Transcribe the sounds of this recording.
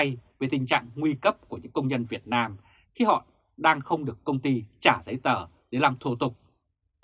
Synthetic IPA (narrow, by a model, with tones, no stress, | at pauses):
jve˨˩t̪ï˨˩ŋ̟t͡ɕa̰ː˧˨ŋŋwi˧kə˦˥p̚ku˧˩əɲɨ̰˧˥ŋkə˧wŋ͡mzə˧nvi˨˩ət̚naː˧m | xi˧hɔ̰˧˨ | ɗaː˧ŋxə˧wŋ͡mɗɨ˨˩əkːə˧wŋ͡mt̪i˧t͡ɕaː˧˩zə˨˦jt̪əː˧˩ | ɗe˨˦laː˨˧˩mt̪ʰu˧˩t̪ʊ˨˩k͡p̚